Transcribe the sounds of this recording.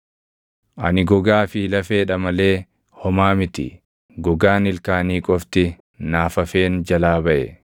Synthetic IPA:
ʔɐnɪɡɔɡaːfɪlɐfe̞ːᶑɐmɐle̞ː | hɔmaːmɪt̪ɪ̰ | ɡɔɡaːnɪlkaːniːkʼɔft̪ɪ | naːfɐfe̞ːnd͡ʒɐlaːbɐʔɛ

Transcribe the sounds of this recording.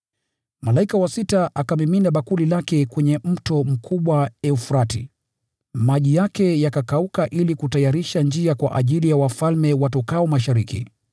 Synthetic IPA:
malaikawasitaʔakamiminaɓakulilakɛkwɛɲɛm̩tɔm̩kʰuɓwaɛufɾatḭ | maʄijakɛjakakaukaʔilikutajaɾiʃand͡ʒiakwa̰ʔaʄilijawafalmɛwatɔkaɔmaʃaɾikḭ

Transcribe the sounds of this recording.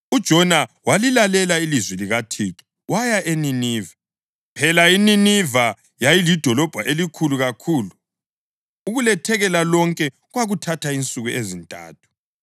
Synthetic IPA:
ud̥ʒ̥ʱɔnawalilalɛlailizwɛliɣatʰiːǁi̥ | wajaʔeniniːva | pʰɛlaininiva | jajilid̥ʱɔlɔb̥ʱaʔelikʰuluɣakʰuːluː | ɣulɛtʰɛɣɛlalɔŋkʼɛ | ɣwaɣutʰatʰaint͡sʼuɣuʔezintʼa̰ːtʰu̥

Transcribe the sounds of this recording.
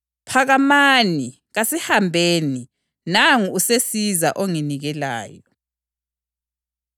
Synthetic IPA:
pʰaɣamani | ɣasihambʱeːni | naŋuusesizaʔoŋiniɣɛla̰ːjɔ

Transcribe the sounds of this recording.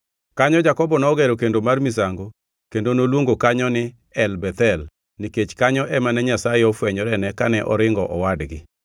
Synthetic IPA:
kaɲɔd͡ʒakɔbɔnɔːɡɛɾokendomarmisaŋɡo | kendonolwoŋɡokaɲɔnɪ | ɛlbɛt̪ɛl | niket͡ʃkaɲɔʔɛmanɛɲasajeɔfwɛɲɔɾɛnɛkanɛʔɔɾɪŋɡɔʔɔwadɡɪ

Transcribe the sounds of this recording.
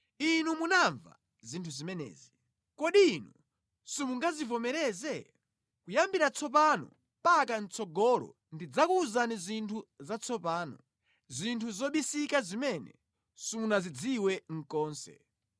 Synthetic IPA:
inumunaɱva̰ | zintʰuzimɛnɛ̰ːzi | kɔɗiːnu | sumuŋɡazivɔmɛɾɛzɛ | kujambiɾat͡sʰɔp̬anɔ̰ | mpakan̩t͡sɔɡɔɾɔ̰ | ndid͡zakuːzanizintʰuzat͡sʰɔpaːnɔ | zintʰuzɔɓisikazimɛnɛ̰ | sumunazid͡ziwɛŋ̩kɔːnsɛ̰

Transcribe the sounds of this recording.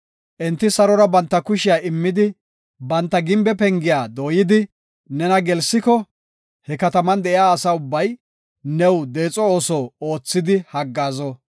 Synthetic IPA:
ʔɛnt̪ːɪsɐɾɔɾɐbɐnt̪ːɐkʊʃɪjaːɪmːɪd̪ɪ | bɐnt̪ːɐɡɪmbɛpɛŋɡɪjaːd̪oːjɪd̪ɪ | nɛnɐɡɛlsːɪkɔ | hɛkɐt̪ɐmɐnd̪ɛʔɪjaːsaʊbːɐj | nɛwd̪eːt͡sʼɔoːsoːo̞ːt͡sːɪd̪ɪhɐɡːaːzɔ

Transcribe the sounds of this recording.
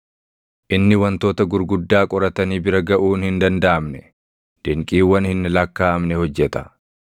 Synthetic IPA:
ʔɪnːɪwɐnt̪o̞ːt̪ɐɡʊɾɡʊd̪ːaːkʼɔɾɐt̪ɐniːbɪɾɐɡɐʔuːnhɪnd̪ɐnd̪aʔɐmnɛ | d̪̥ɛŋkʼiːwːɐnhɪnːɪlɐkːaːʔɐmnɛhɔd͡ʒːɛt̪ɐ̥

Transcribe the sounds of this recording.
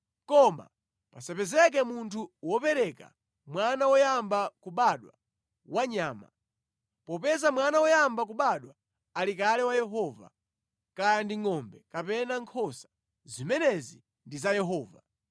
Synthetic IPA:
kɔma̰ | pasɛpɛzɛk̬ɛmuntʰuwɔpɛɾɛka̰ | mwanawɔjambakuɓaɗwa̰ | waɲaːma̰ | pɔpɛzamwanawɔjambak̬uɓaɗwaː | likalɛwajɛɦɔva̰ | kajandiŋɔmbɛkapɛnaŋkʰɔsḁ | zimɛnɛzi | ndizajɛɦɔːva

